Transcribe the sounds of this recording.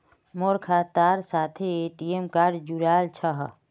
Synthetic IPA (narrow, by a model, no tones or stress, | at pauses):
moːɾkʰaːt̪aːɾsaːt̪ʰeeːʈiemkaːɾɖd͡ʒuɾaːlt͡ʃʰɐɦ